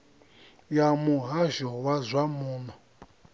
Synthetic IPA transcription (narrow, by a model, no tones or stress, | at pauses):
jamuɦaʒɔwazʷamuːnɔ